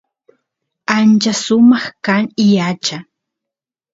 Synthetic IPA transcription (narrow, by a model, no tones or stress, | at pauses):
ant͡ʃasʊmɑχkaŋɪjat͡ʃa